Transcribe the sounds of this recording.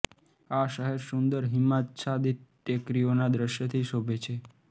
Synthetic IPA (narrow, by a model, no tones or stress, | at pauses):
aʃəɦɛɾsund̪əɾɦimːat̪sad̪it̪ | əkɾijonad̪ɾəʃjət̪ʰiʃobʱet͡ʃʰe